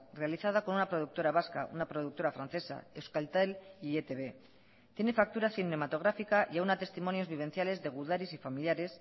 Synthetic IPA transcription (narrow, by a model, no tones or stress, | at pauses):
re̞aliθað̞ako̞nunapɾo̞ðuk̚t̪o̞ɾaβaskaʔunapɾo̞ð̞uk̚t̪o̞ɾafɾanθe̞sa̰ewskalt̪aliet̪eβe̞ | t̪je̞ne̞fak̚t̪uɾaθine̞mat̪o̞ɣ̞ɾafikaʔjaunat̪e̞st̪imo̞njo̞zβiβe̞n̟θjale̞zðe̞ɣ̞uðaɾisifamiljaɾe̞s